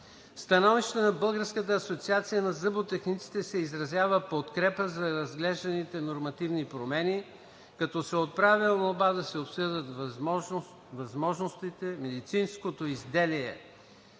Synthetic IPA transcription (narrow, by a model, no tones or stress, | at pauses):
fst̪ɐnɔviʃt̪ənɐbɤlˠɡəɾskət̪əːsot̪siat̪sijənɐzəbot̪ɛxnit̪si̥t̪ɛsɛizɾɐzʲjavəpot̪kɾɛpəzɐɾɐzɡlɛʒd̪ɐnit̪ɛnoɾmɐt̪ivnipɾomɛni | kɐt̪ɔsɛot̪̚pɾavilˠnobad̪ɐsɛopsɤd̪ət̪ | vɐzmɔʒnost̪it̪ɛmɛd̪it̪sinskot̪oizd̪ɛliɛ̰